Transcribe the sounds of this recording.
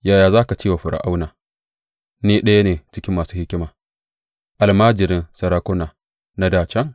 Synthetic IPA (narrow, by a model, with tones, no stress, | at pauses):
jaː˨jaː˨zaː˦ka˨t͡ʃiː˦wa˨ɸʊ˨ɾʔa̰˨ʔa˦wnaː˨ | neː˦ɗɐ˦ja˦neː˨t͡ʃɪ˦kʲɪ˦mːaː˨suː˦hɪ˦kʲɪ˦maː˨ | ʔa˨lmaː˦d͡ʒɪ˨ɾɪ˦nsɐ˨ɾaː˦kʷʊ˦na˨ | na˦daː˨t͡ʃɐ˦ŋ